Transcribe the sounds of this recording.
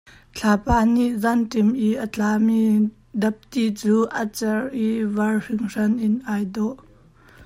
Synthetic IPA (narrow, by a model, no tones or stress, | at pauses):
t͡ɬʰaːpaːniʔzantɛmʔiʔət͡ɬaːmi | dɐp̚t̪it͡suːʔat͡sɛrʔivɐrr̥ɪŋrɐnʔɪnʔajdɔʔ